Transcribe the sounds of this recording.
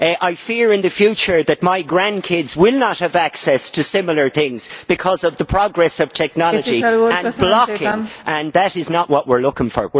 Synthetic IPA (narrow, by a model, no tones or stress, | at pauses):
ʔaɪfiɹɪ̃nðɨfjʉt͡ʃə˞ðɨt̚maɪɡɹæ̃nkʰɪdzwɪlˠnət̚həvaksɛstʰɨsɪ̃ml̩ˠə˞θɪ̃ŋz̥b̥ɨkʰʌzʌvðəpʰɹ̥ɑɡɹɛsʌv̥tʰɛk̚nɑlˠəd͡ʒiə̃nblɑkɪ̃ŋʔə̃nðəɾɪznəʔwʔʌʔwɪɹlʊkɪ̃ŋfə̰˞wɪ